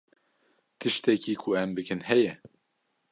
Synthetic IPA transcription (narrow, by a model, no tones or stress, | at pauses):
t̪ʰɨʃt̪ɛkiːkʰʊɛmbɨkɨnhɛjɛ